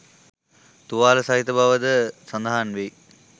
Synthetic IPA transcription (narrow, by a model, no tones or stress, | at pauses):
t̪uʋaːləsaɦit̪əbaʋəd̪əsɐnd̪aɦanʋei